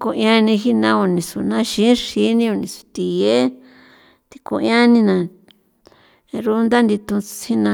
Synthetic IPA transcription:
ko˧jã˧nĩ˧xi˦nã˧o˧nĩ˨su˨nã˦ʃĩ˨˦ʂi˧˦nĩ˧o˧nĩ˨su̥˨˧t̪i˨e˦ | t̪i̥˧ko̰˧jã˦nĩ˧nã˧ | ɾu˦nd̪a˦nd̪i˧t̪ũ˧hi˦nã˧

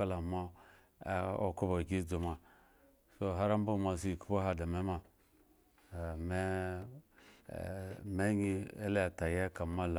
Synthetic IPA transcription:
a˦la˨ma̰˦ | o̰˦ku˦ba˨ɡʲi˦d͡zo˨ma˨ | so˦ɦa˦ɾa˦m˦bu˦˨ma˨s̬i˦i˨ku˦bo˦ɦa˦da˨me˦ma˦˨ | me˦˨ | me˦ɲi˦e˦le˦˨ta˨je˦ka˨ma˦la˨

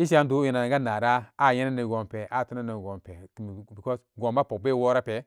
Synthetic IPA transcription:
i˦s̬i˦a˦n˦du˦ji˨na˨ŋɡa˦na˨ɾa˦a˦˨je˦na˦ni˨ɡo˨mpe˨ʔa˦˨tu˦na˦ni˨ɡo˨mpe˨m˨i˨ko˦sɡo˨mba˦po˨be˦˨wo˦ɾa˦pe˨

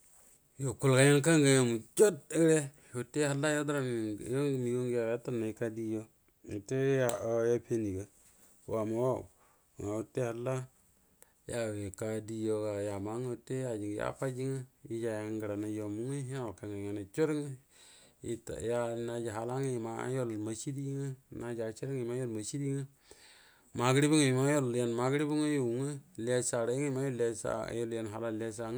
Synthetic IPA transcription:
jo˨ku˦˨lka˨˦ja˦ŋka˦ŋɡa˨ja˨mu˨t͡ʃo˦te˦ɾe˦ | o˨tːe˦ha˦la˦jo˦da˦ɾa˨m˨jo˦ŋ˨mi˨jo˦ŋɡja˨˦a˦ta˦na˨i˦ka˦di˦jo˦ | u˨te˦ja˨o˦ja˦pe˦ni˨ɡa˦ | wa˨ma˨˦wa̰˦˨ | ŋa˨u˨te˦ha˦la˦ | ja˨we˨ka˦di˦jo˨ka˨ja˨ma˦ŋ˦˨te˦ja˨d͡ʒi˨ŋ˨ja̰˦fa˦d͡ʒi˦ŋa˦i˦d͡ʒa˨ja˨˦ŋɡə˨ɾa˨na˨jo˨mu˦ŋe˦ja˦˨o˨ke˨ŋe˨ŋa˨na˨t͡ʃo˦ɾŋ˦ | i˨˦ta̰˨ja˦na˨d͡ʒi˨ɦa˨la˦ŋe˦˨ma̰˦jo˦lma˨t͡ʃi˦di˦ŋa˦na˦d͡ʒa˨t͡ʃi˦ɾa˦ŋi˨ma˦jo˦lma˨t͡ʃi˦di˦ŋa˦ | ma˨ɡɾi˦bu˦ŋe˨ma˦jo˦lja˨nma˨ɡɾi˦bu˦ŋo˦jo˨ŋə˦la˦sa˨ɾe˨˦ŋe˦ma˦jo˦le˦sa̰˦jo˦lja˨nɦa˨la˦le˦s̬a˨ŋ˦

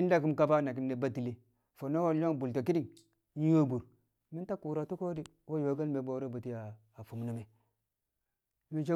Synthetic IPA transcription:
i˦nda˦k̬i˦mka˦ba˦na˨ki˨nːe˨ba˦ti˨le˦ | fo˨no˦wo˨lo˦ŋbu˨lto˨ki˦di˦˨ŋ˦ | wo˦bu˨ɾ | mi˦nta˦ku˨ɾa˨tu˦ko˦di˦ | wo˦jo˨˦ɡa˦lme˨bo˨˦ɾo˦bu˨ti˦jaː˨ | fu˨mnu˦me˨˦ | mi˦nt͡ʃe˦

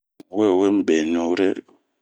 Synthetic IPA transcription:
wɛ˦˨we˦m̩˦˨ɓɛ˨ɲo˨˦ɾɛ˦

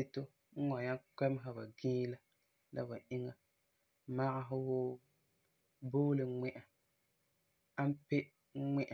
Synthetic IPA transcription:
e˦to˦ | ŋ̩˦ŋɔ˨ɲa˦k͡pɛ˦m˦ɦa˨ba̰˨ɡĩː˦la˦ | la̰˦ba˨ʔɪ˦ŋa˨ | ma˦ʔa˦ɦʊ˦woː˦ | boː˦lɨ˨˦ŋ͡mɛ˦ʔa˨ | a˦m˦pe˦ | ŋɛ˦ʔa˨

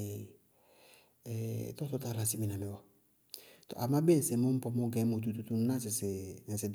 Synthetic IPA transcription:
tɔ˦sɔ˦ta˦˨la˨si˦mi˨na˨mɪ˨wɔ˨˦ | t̪o̰˨ʔa˨ma˦be˦n̩˨sɪ˨mʊ̃˦m̩˦pɔ˦mo˦ɡɛ̃˨˦mo˨t̪̬u˦t̪u˦t̪u˦n˦ã˦s̬ɪ˨sɪ˨n̩˨sɪ˨d

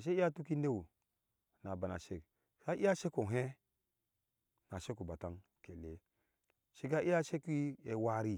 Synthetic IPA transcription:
ʃ̬e˦i˦a˦tu˦ki˦ne˦wu˨ | na˨ba˨na̰˨ʃe˨k | sa˦ʔi˦ja˦ʃe˦ku˨ɦe˦ | na˨ʃe˦ku˨ba˨ta˦n | ke˨le˨ | ʃe˦k̬a˦ʔi˦ja˦ʃe˦kʷi˦e˨wa˦ɾi˦

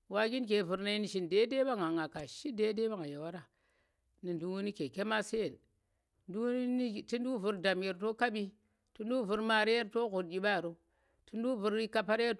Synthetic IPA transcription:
wa˦ɡi˦nk̬e˨vu˨ɾna˨i˦ni˨ʃi˨nde˦de˦ba˦ŋa˨ŋa˨ka˨ʃi˦de˦de˦ba˦ŋa˨ja˨wa˦ɾa˨ | ni˨ndu˨wu˦ni˦ke˨ke˦ma˦se˦je˨l | du˦i˦˨ti˦n˦du˦vu˨ɾda˨mje˨ɾto˦ka˦ɓi˦ | ti˦n˦du˦vu˨ɾma˨ɾe˦je˦ɾto˦ku˨ɾd͡ʒi˨ɓa˦˨ɾo˦ | ti˦ndu˦vu˨ɾi˦ka˦pa˦ɾe˦ɾ

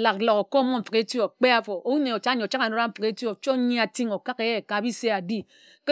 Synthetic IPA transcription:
la˨k̚lo˨ko˨ko˦mo˦m̩˨fə˨ke˦ti˦o˨k͡pe˦a˦fo˨ʔo˦u˦ne˨o˨t͡ʃa˦ɲe˨o˨t͡ʃa˦a˨no˦a˦m̩˦fke˦tjo˨t͡ʃo˦ɲi˦a˨ti˦ŋo˨ka˦ke˨je˦˨ka˨bi˦se˦a˨di˦ | k

